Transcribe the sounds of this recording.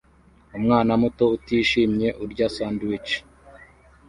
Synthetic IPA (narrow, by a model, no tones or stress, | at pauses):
umŋaːnamuto̞utiːʃiːmɲe̞ʔuɾɟasandwit͡ʃ